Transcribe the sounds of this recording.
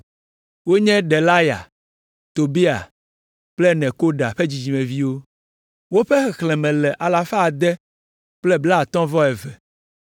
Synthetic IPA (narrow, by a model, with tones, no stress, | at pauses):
wo˦ɲɛ̃˦ɖɛ˨la˦ja̰˨ | t̪o˨bi˦a̰˨ | k͡plɛ˦nɛ̃˨ko˦ɖa˨ɸe˦d͡ʑi˨d͡ʑi˨mɛ̃˨vi˦wo˦ | wo˦ɸɛ˦xɛ˨xlɛ̃˨mɛ̃˨lɛ˨ʔa˨la˨fa˦a˨d̪ɛ˦ | k͡plɛ˦bla˦˨t̪ɔ̃˦vɔ˦ɛ˨vɛ˨